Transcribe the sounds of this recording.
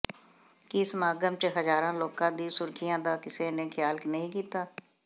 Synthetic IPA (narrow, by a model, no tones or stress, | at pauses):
kɪsmaːɡəmt͡ʃəɦəzaːɾãːloːkãːd̪iːsʊɾkʰɪjãːd̪aːkɪsẽːnẽːkʰɪjaːlknəɦĩːkiːt̪aː